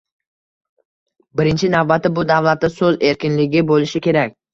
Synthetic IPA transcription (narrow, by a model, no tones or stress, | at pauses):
bɪɾɪnt͡ʃʰɪnavbat̪ʰːɪbʊd̪avlˠat̪ːɪsɵze̞ɾkʲɪnlɪɡʲɪbolɪʃɪkʲe̞ɾakʲ